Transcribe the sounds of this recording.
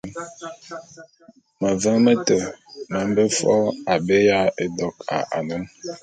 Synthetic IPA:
mə˨və˦mə˦tə˨mə˨˦m˦bə˦fɔ̰˦a˨be˦ja˦e˨dɔ˨ka̰˨ʔa̰˨nə˦m

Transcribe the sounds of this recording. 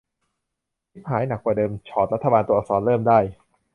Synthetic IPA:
kʰi˦˥p̚ɦaː˨˩˦jna˨˩k̚waː˨˩dɤː˧mt͡ɕʰɔː˨˩t̪̚ɾa˦˥t̪ʰːbaː˧nt̪u˧ɔː˨˩sɔː˩˦nlɤː˥˩mdaː˥˩j

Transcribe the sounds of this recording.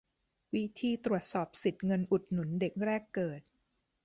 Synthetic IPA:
wi˦˥t̪ʰiː˧t̪ɾu˨˩ət̪̚sɔː˨˩p̚si˨˩t̪̚ŋɤ˧nʔu˨˩t̪̚nu˩˦nde˨˩k̚ɾɛː˥˩kːɤː˨˩t̪̚

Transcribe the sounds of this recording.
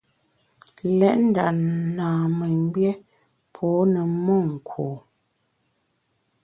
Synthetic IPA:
lɛ˦ʔn̩˦da̰˨naː˨mɛ˨ŋ˦bjɛ˦ | pʰɔː˨˦nə˨mɔ˦˨ŋ̩˨kʰwoː˨

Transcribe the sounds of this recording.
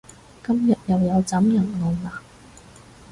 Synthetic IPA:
kɐ˥mjɐ˨t̚jɐ˨wjɐ˨˧wt͡sɐ˨˥mjɐ˨˩ŋlo˨˩wlaː˨˩

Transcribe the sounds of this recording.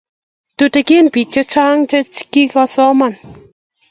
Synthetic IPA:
t̪u˧t̪e˧ki˦npi˨k̚t͡ʃe˦t͡ʃa˦ŋt͡ʃe˦t͡ʃki˦ka˧so˦man

